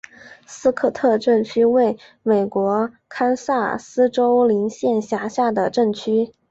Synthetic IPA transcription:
sɹ̩˥kʰɤ˥˧t̪ʰɤ˥˧ʈ͡ʂə˥˧ŋt͡ɕʰy˥we˥˩ɪ | me˨˩ɪkwɔ˧˥ | kʰa˥nsa˥˩sɹ̩˥ʈ͡ʂo˥ʊli˧˥ŋɕjɛ˥˩nɕja˧˥ɕja˥˩d̪ə˩ʈ͡ʂə˥˩ŋt͡ɕʰy˥

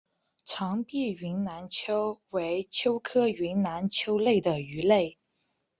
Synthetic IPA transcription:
ʈ͡ʂʰɑ˧˥ŋpi˥˩ɥi˧˥nna˧˥nt͡ɕʰjo˥ʊwe˧˥ɪt͡ɕʰjo˥ʊkʰɤ˥i˧˥nna˧˥nt͡ɕʰjo˥ʊle˥˩ɪd̪ə˩y˧˥le˥˩ɪ

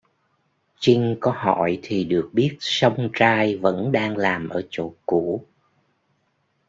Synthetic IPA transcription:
t͡ɕi˧ŋ̟kɔ˨˦ɦɔ̰˧˨jt̪ʰi˨˩ɗɨ˨˩ək̚ɓi˦˥ət̚sə˧wŋ͡mt͡ɕaː˧jvə̰˧˥nɗaː˧ŋlaː˨˩mʔəː˧˩t͡ɕo̰˧˥ku˧˥

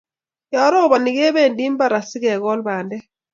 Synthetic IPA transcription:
ja˨˦ɾɔ˦˨ba˨ni˨ɡe˦bɛ˦˨ndi˦mba˦˨ɾa˨si˦ɡɛ˨ɣɔ˦lba˨ndɛ˦

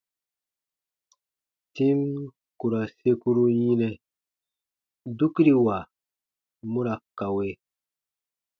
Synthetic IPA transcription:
ti˦m | ku˨ɾa˨se˦ku˦ɾu˦ji˦nɛ˦ | du˦ki˦ɾi˨wa˨ | mu˦ɾa˨ka˨we˦

